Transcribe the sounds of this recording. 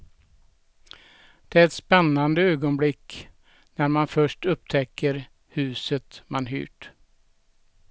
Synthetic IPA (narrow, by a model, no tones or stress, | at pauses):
d̪̥ɛæɾɛt̪spɛnːand̪əøːɡɔnblɪkː | næɾmanfœʂʈɵp̚t̪ʰɛkʰːəɾ | hʉ̟ːsət̪manɦy̰ːʈ